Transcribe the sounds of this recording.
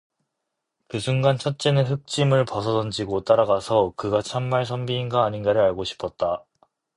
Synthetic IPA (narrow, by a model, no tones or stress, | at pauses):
pusʰuŋɡant͡ɕʰʌt̚t͡ɕ͈enɯɸɯk̚t͡ɕ͈imɯɭpʌsʰʌdʌnd͡ʑiɡot͈aɾaɡasʰʌkɯɡat͡ɕʰamːaɭs̬ʰʌmbiːnɡaːɲinɡaɾɯɾaɭɡoɕʰi̥pʰʌt̚t͈a